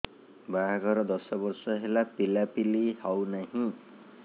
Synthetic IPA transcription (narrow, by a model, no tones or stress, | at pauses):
baɦaɡʱɔɾɔd̪ɔsɔbɔɾsɔɦelapilapilihawnaɦĩ